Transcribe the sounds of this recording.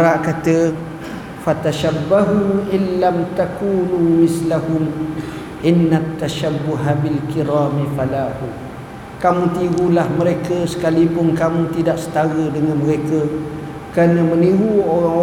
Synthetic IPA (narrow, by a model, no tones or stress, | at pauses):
ɾaʔkat̪ə | fat̪aʃabːaɦumʔɪnlamt̪akuːnumɪslaɦʊm | ʔɪnːat̪ːaʃabːuɦabilkiɾaːmifalahu | kamũt̪iɡulahməɾekəsə̥kalipʊnkamũt̪idaʔsə̥t̪aɣədəŋãnməɾekə | kɾanə̃mə̃niɾuoɾaŋo